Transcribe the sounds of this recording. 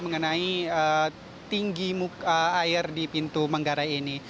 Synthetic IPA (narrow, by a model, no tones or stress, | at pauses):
məŋənaiə | t̪iŋɡimukəajɪrdipint̪umaŋɡaɾaini